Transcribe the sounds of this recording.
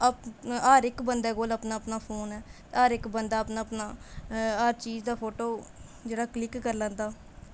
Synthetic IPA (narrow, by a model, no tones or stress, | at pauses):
əpaːɾɪkbənd̪ɛːkoːləpnaːəpnaːpʰoːnɛːt̪eaːɾɪkbənd̪aːəpnaːpnaːaɾt͡ʃiːd͡ʒd̪aːpʰoːʈoː | d͡ʒeːɽaːklɪkːəɾlə̃ːnd̪aː